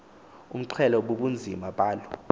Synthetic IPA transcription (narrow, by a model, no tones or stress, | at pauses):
um̩ǃʰɛlɔɓoɓund͡zʱimaɓʼaːlɔ